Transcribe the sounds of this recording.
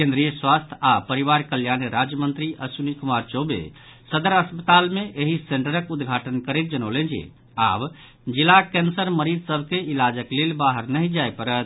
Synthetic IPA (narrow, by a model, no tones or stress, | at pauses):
kẽnd̪ɾijəswast̪ʰapəɾiʋaɾkəljaneɾad͡ʒjəmə̃nt̪ɾiʔəsunikumaɾt͡ʃobḛsəd̪əɾəspət̪almeʔeɦiseɳʈəɾəkud̪ɡʱaʈənkəɾet̪̚d͡ʒənəwlẽnd͡ʒḛ | a̰b | d͡ʒilakẽnsəɾməɾid͡ʒsəbʱkeilad͡ʒəklelbaɦəɾnəɦĩd͡ʒajpəɾət̪̚ʰ